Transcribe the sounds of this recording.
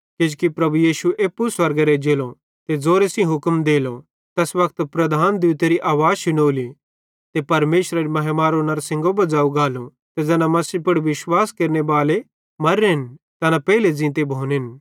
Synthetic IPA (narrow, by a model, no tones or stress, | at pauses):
kɪd͡ʒkipɾɐbujiːʃuʔeːpːuswɐɾɡaɾed͡ʒeːlõ | t̪ed͡zoːɾesĩɦʊkmd̪eːlo | t̪ɛsʋɐkt̪pɾɐd̪ʱaːnd̪iːt̪eɾiʔaːʋaːd͡ʒʃɪnoːli | t̪epɐɾmeːʃɾaɾimɐɦemaːɾonaɾsɪ̃ŋɡobɐd͡zaːuɡaːlo | t̪ed͡zɛːnamɐsipʊɽʋɪʃwaːskeːɾnebaːle | mɐɾeɦɪn | t̪ɐnapɛːled͡zɪ̃ːt̪̬ebʱoːnɦɪn